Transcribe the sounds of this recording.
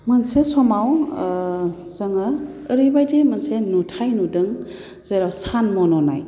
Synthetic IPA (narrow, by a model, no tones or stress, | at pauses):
mɐnsesɔmaw | zɐŋəː | ɾijbajdemɐnsenutʰajnudɯŋ | z̥ajɾawsanmɔnɔna̰j